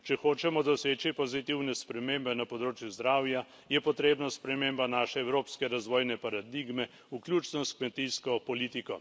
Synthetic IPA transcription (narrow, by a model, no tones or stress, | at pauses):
t͡ʃɛxoːt͡ʃɛmɔd̪ɔseːt͡ʃipɔzit̪iwnɛspɾɛmeːmbɛnapɔd̪ɾoːt͡ʃjuzd̪ɾaːwja | jɛpɔt̪ɾeːbnaspɾɛmeːmbanaːʃɛːwɾoːpskɛɾazʋoːjnɛpaɾad̪iɡmɛ | uklʲjuːt͡ʃnɔskmɛt̪iskɔpɔliːt̪ikɔ